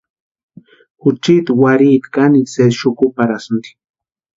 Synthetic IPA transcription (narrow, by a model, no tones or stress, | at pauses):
xʊt͡ʃit̪waɾit̪kanised̪ʃʊkʊpaɾasnt̪i̥